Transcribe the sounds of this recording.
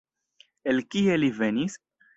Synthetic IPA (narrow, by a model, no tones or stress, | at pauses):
elkielivenis